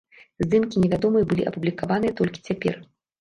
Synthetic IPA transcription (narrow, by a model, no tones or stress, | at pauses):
zd̪ɨmkʲinʲɛvʲad̪ɔmɨjɐbɨlʲḭʔɐ̰publʲikavanɨjɛt̪ɔlʲkʲi̥t͡sʲapʲɛ̰r